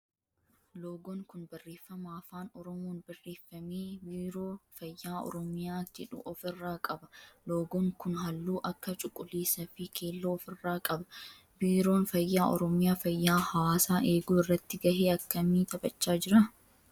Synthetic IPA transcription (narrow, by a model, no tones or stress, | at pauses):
loːɡɔŋkʊnbɐrːeːfːɐmaːfaːnɔɾɔmoːnbɐrːeːfːɐmeːbiːɾoːfɐjːaːɔ̰ɾɔmɪjaːd͡ʒɛᶑʊ̰ʔɔfɪrːaːkʼɐbɐloːɡɔŋkʊnɦɐlːuːʔɐkːɐt͡ʃʼʊkʼːʊliːsɐfɪkʰeːlːoːfɪrːaːkʼɐbɐ | biːɾo̞ːnfɐjːaːʔɔɾɔmɪjaːfɐjːaːhɐwaːsaːʔe̞ːɡuːɪrːɐt̪ːɪɡɐheːɐkːɐmiːt̪ɐbʼɐt͡ʃːaːd͡ʒɪɾɐ